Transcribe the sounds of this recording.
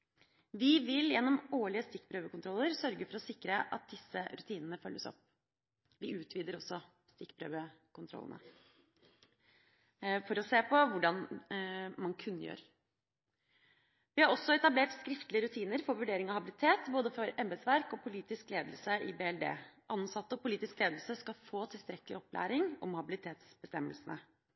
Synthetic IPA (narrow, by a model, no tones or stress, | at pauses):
ʋɪʋɪljɛnːɔmoːɭɪəst̪ɪkːpʰɾøːʋəkʊnt̪ʰɾɔlːəɾsœɾɡəfɔɾɔsɪkːɾəʔɑ̰t̪̚d̪ɪsːəɾʉt̪ʰiːnənəfœlːəsɔ̰p | ʋɪʔʉːt̪ʰʋiːd̪əɾɔsːɔ | st̪ɪkːpʰɾø̰ːʋəkʊnt̪ɾɔ̰lːə̰nə̰ | fɔɾɔseːpʰɔʋʊɖɑn | mɑnkʰʉnːəjø̰ːɾ | ʋɪhɑɾɔsːɔɛt̪ɑbleːʈskɾɪft̪lɪəɾʉt̪ʰiːnəɾfɔɾʋʉɖeːɾɪŋɑhɑbɪlɪt̪ʰeːt̪boːd̪əfɔɾɛmbəsʋæɾkɔpʰʊliːt̪ɪskleːd̪əl̩səɪbeːɛld̪ḛːʔɑnːsɑt̪ːəɔpʊliːt̪ɪskleːd̪əlsəskɑlfoːt̪ʰɪlst̪ɾɛklɪɔplæ̰ːɾɪŋɔ̰mhɑbɪlɪt̪ʰeːt̪sbəst̪ɛmːəlsən̩ə